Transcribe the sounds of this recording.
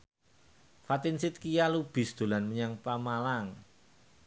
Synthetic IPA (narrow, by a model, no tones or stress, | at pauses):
fat̪ɪnsɪt̪̚kijalub̥ɪ̤sd̪̥o̤lanməɲaŋpamalaŋ